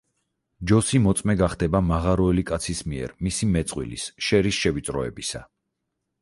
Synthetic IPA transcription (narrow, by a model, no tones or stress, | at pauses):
d͡ʒɔsimɔt̪sʼmɛɡaχd̪ɛbamaʁaɾɔɛlikʼat̪sʰismiɛ̰ɾmisimɛt̪sʼqʼwḭlḭsʃɛɾisʃɛvit̪sʼɾɔɛ̰bisa̰